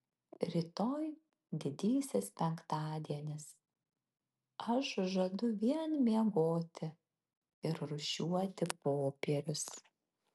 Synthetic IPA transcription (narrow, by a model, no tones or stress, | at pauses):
ɾʲit̪oːj | d̪ʲɪd̪ʲiːsʲɛspʲɛŋkt̪ɑːd̪ʲiɛnʲɪs | ɐʃʒɐd̪ʊʋʲiɛnmʲiɛɡoːt̪ʲɪ | ɪɾɾʊʃʲuɔt̪ʲɪpoːpʲiɛɾʲʊs